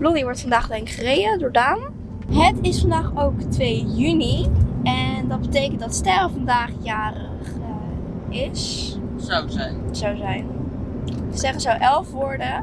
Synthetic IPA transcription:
blɔniʋɔɹtfɑndaːχɪŋχərejdədʊːɹdaːmə | ɦətɪsfɑndaːχowktʋejjyniɛndɑt̚bətejkəntdɑtstɛlvɑndaːχjaːrəχ | ɪs | sowzɛjnzawzɛjn | z̥ɛχəzowʔɛlˠfʋʊːɹdə

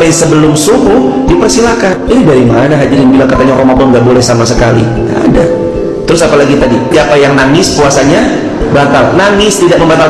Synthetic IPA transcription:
asəbəlʊmsumbʊh | dipərsilakaninidaɾimanaɦad͡ʒaɾɪnbilaŋkat̪aɲaɾomakɔŋɡaʔbolɛhsamasəkalḭ | a̰da̰ | t̪əɾʊsapalaɡit̪adiiapajaŋnaŋɪspuasaɲa | bat̪alnaŋɪst̪idaʔ̚məmbat̪al

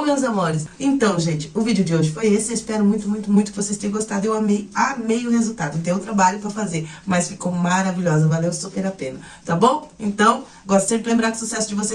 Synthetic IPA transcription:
õmẽwzamoɾɪsẽnt̪ɐ̃w̃ʒẽnt͡ʃɪ̥ʊvid͡ʒɪʊd͡ʒɪoʒɪfojesɪeispɛɾʊmũj̃t̪ʊmũj̃t̪ʊmũj̃t̪ʊkɪvosest̪ẽj̃ɐ̃ɡost̪ad̪ʊewamejamejʊhezuwt̪ad̪ʊẽt̪ẽj̃ʊt̪ɾabaʎʊpɾɐfazeɾmɐsfikowmaɾaviʎɔzɐvalewsupeɾapẽnɐ | t̪abõw̃ẽnt̪ɐ̃w̃ | ɡɔst̪ɐsẽmpɾɪlẽmbɾaɾkɪʊ̥susɛsʊd͡ʒɪvose

